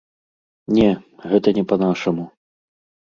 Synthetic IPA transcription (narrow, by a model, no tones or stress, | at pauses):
nʲɛɣɛt̪ɐnʲɛpɐnaʂɐmu